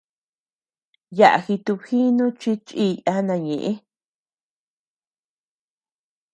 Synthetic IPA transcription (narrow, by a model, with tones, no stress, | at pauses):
ja˨ʔa̰˨xi˧t̪u˧βhi˦nũ˦t͡ʃi˦t͡ʃi˦˧˨ja˦nã˧˨ɲḛ̃˨ʔẽ˦